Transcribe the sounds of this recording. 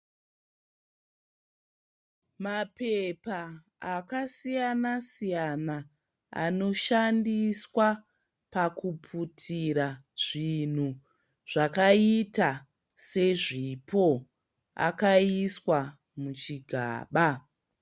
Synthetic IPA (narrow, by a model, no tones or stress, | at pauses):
mapepaː | kasijanasijana | a̰no̞ʃandiswa | pakupʰutʰiɾa | ʐ̥in̤u | ʐ̥akaita | se̞ʐipʰo̞ | a̰kaiswa | mut͡ʃiɡʱa̰ːɓa